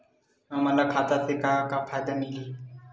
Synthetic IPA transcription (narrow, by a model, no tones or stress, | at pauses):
ɦə̃mɐlakʰaːt̪at̪ekakafʰajd̪amili